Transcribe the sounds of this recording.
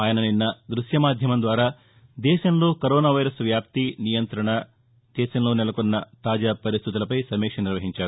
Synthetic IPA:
aːjɐnɐninːɐd̪ɾuʃjɐmaːd̪ʱjɐmɐnd̪ʋaːɾaː | d̪ɛːʃɐnloːkɐɾoːnaːʋɐjɾɐsʋjaːp̚t̪inijɐnt̪ɾɐɳɐ | d̪̥ɛːʃɐnloːnɛlɐkonːɐt̪aːd͡ʒaːpɐɾist̪ʰid̪ɐlɐpɐjsɐmeːkʂɐniɾʋɐɦiɲt͡ʃaːɾu

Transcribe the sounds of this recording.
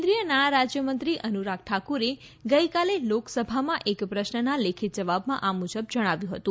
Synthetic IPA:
nd̪ɾijənaɽ̃aɾad͡ʒjəmənt̪ɾiʔənuɾak̚ʰʈʰakuɾe | ɡəikaleloksəbʱamãʔekpɾəʃnənalekʰit̪̚d͡ʒəʋabmãʔamud͡ʒəbd͡ʒəɽ̃aʋjũɦət̪ũ

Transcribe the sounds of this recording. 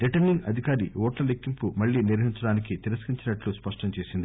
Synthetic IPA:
ɾiʈɐɾniŋɡɐd̪ʱikaːɾiɔːʈlɐlekːimpumɐɭːiːniɾʋɐɦiɲt͡ʃɐɽaːnikit̪eɾuskiɲt͡ʃinɐʈluspɐʂʈɐmt͡ʃeːsind̪i

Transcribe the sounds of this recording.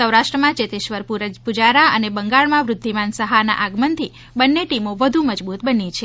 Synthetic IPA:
əwɾaʃʈɾəmãt͡ʃet̪ɪʃʋəɾpuɾəpud͡ʒaɾaənebəŋɡaɭmãʋɾʊd̪ʱːimansəɦana̰ʔaɡmənt̪ʰi | bənːeʈimoʋəd̪ʱuməd͡ʒbut̪bənit͡ʃʰe

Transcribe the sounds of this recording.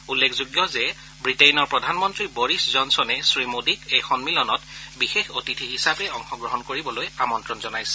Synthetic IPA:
ulːekʰzuɡjɔzɛ | bɹitejnɔɹpɹɔdʱanmɔntɹiboɹiszɔnsɔnɛsɹimodikejxɔnmilɔnɔtbixexotitʰiɦisabɛɔŋxɔɡɹɔɦɔnkoɹibɔlojamɔntɹɔnzɔnajsɛ̥

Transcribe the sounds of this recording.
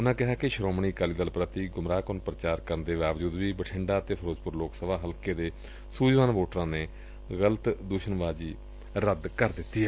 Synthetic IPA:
ʊnãːkɪɦaːkɪʃɾoːmɳiːkaːliːd̪əlpɾət̪iːɡʊmɾaːkonpɾət͡ʃaːɾkəɾnd̪eːʋaːʋd͡ʒuːd̪ʋiːbəʈʰɪɳɖaːt̪eːpʰəɾoːd͡ʒpʊɾloːksəbaːɦəlkeːd̪eː | suːd͡ʒʋaːnʋoːʈɾãːneː | ɣələt̪d̪uʃənʋaːd͡ʒiː | ɾəd̪kəɾd̪ɪt̪ːiːɛː

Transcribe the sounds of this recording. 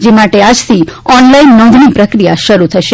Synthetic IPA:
d͡ʒemaʈead͡ʒt̪ʰiɔnlainːɔ̃nd̪ʱnipɾəkɾijaʃəɾut̪ʰəʃe

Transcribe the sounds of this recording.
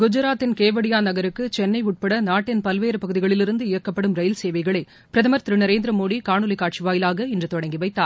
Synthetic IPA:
ɡʊd͡ʒɐɾaːt̪ːɪnkeːʋɐɽɪjaːnɐɣɐɾɯkːɯt͡ʃɛnːɐɪʊʈ̚pɐɽɐnaːʈːɪnpɐlʋeːɾɯpɐɣɯðɪɣɐɭɪlɪɾɯnd̪ɯɪjɐkːɐpːɐɽɯmɾɐjɐlseːʋɐɪɣɐɭɐɪ | pɪɾɐðɐmɐɾt̪ɾɯnɐɾeːnd̪ɾɐmoːɽikaːɳɯlɐkːaːʈt͡ʃiʋaːjɪlaːɣɐɪndrɯt̪ɔɽɐŋɡiʋɐɪt̪ːaːɾ

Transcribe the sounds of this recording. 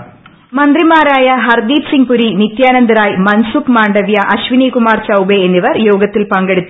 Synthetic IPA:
mɐnd̪rimaːɾaːjɐɦɐrd̪iːfsiŋpuɾinit̪jaːnɐnd̪ɐɾaːjmɐnsukmaːɳɖɐʋjɐʔɐɕʋinikumaːrt͡ɕɐwbeenːiʋɐrjoːɡɐt̪ːilpɐŋɡe̞ɽut̪ːu

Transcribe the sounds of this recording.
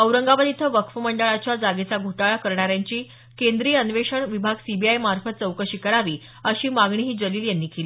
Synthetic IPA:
əwɾəŋɡaʋad̪it̪ʰəʋəkʰʋməɳɖəɭat͡ɕjad͡zaɡet͡saɡʱoʈaɭakəɾɳaɾjaɲt͡ɕiː | kend̪ɾiːənʋeʂəɳʋibʱaɡsibʱiajmaɾfət̪̚t͡səwkəɕikəɾaʋiː | əɕiːmaɡɳiɦiːd͡ʑəliːljanːiːkeli

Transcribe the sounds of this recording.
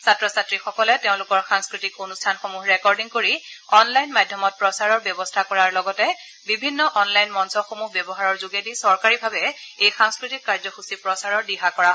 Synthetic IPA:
satɹɔsatɹixɔkɔlɛteʊ̃lʊkɔɹxaŋskɹitikonustʰanxomuɦɹɛkɔɹdiŋkoɹiɔnlajnmadʱjɔmɔt̚pɹɔsaɹɔɹbjɔbɔstʰakɔɹaɹlɔɡɔtɛ | bibʱinːɔʔɔnlajnmɔnsɔxomuɦbjɛbɔɦaɹɔɹzuɡedisɔɹkaɹibʱabɛejxãŋskɹitikːaɹzɔxusipɹɔsaɹɔɹdiɦakɔɹa

